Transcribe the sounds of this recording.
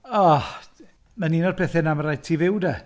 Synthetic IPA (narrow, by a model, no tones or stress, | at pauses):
ɔ | maniːnɔd̚pʰɛθɛnaməɾajd̚tʰiːvɪwda